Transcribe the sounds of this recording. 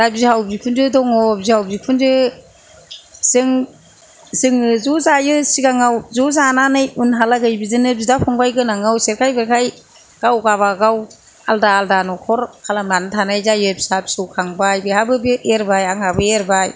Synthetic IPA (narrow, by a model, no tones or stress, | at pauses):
labzihawbikʰundɯdɔŋɔbzihawbzikʰundɯ | sɯŋ | sɯŋɯzuzajɯsiɡaŋawzuzananɯjunɦalaɡɯjbizɯnɯb̚zidapʰɔŋbajɡɯnaŋawseɾkʰajbɯɾkʰaj | ɡ̥awɡaβaɡaw | aldaːldanɔkʰɔɾkʰalamlantʰanajzajɯbsapsuwkʰaŋbajbihabɯbieɾbajaŋabɯeɾbaj